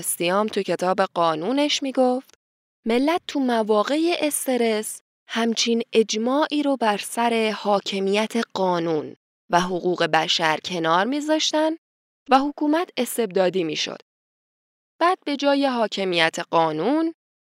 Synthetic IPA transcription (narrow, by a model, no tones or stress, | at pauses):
sijɒːmt̪ʰucʰe̞t̪ʰɒːbe̞ɢɒːnuːne̞ʃmiːɡo̞ft̪ | me̞lːæt̪̚ːʰumævɒːɣe̞jeʔest̪e̞ɾe̞s | hæmt͡ʃʰiːne̞d͡ʒmɒːʔiːɾobæɾsæɾe̞hɒːcʰe̞mijæt̪ʰe̞ɢ̥ɒːnuːn | væɦoɣuːɣe̞bæʃæɾcʰe̞nɒːɾmiːzɒːʃt̪ænd̪ | væhokʰuːmæt̪ʰe̞st̪e̞b̚d̪ɒːd̪iːmḭːʃo̰d̪̥ | b̥æːd̪̚be̞d͡ʒɒːje̞ɦɒːcʰe̞mijæt̪ʰeɢɒːnun